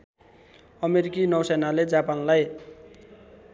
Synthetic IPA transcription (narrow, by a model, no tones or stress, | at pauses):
ʌmeɾikinʌwsenaled͡zapanlaj